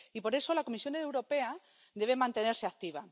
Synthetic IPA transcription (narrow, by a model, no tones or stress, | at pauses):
ipo̞ɾe̞so̞lakomisjo̞newɾo̞pe̞a | d̪e̞β̞emãnt̪e̞ne̞ɾseak̚t̪iβ̞a